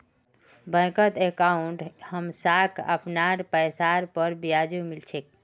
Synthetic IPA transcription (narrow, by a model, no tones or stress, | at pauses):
bə̃jkət̪ekauɳʈhəmsakʰə̰pnaɾpəjsaɾpəɾbijad͡ʒumilt͡ʃʰek̚